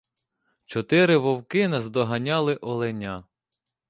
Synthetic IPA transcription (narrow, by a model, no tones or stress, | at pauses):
t͡ʃɔt̪ɪɾɪʋɔwkɪnɐzd̪ɔɦɐnʲɑlˠɪʔɔlˠenʲa